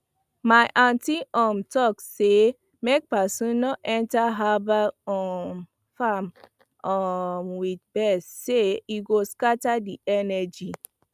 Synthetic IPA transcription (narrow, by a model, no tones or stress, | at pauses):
majʔãntiʔɔmtɔkse | mek̚pasũnnɔʔɛ̃ntaɦabaɔm | fam | ɔmwid̚bɛsseiɡoskatadiɛnɛd͡ʒi